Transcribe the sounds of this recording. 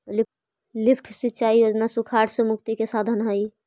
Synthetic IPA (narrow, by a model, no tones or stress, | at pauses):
lɪ | lɪpʰʈʰset͡ʃaːiod͡ʒnasʊkʰaːʈsemʊkt̪ikesaːd̪ʱənɦaːi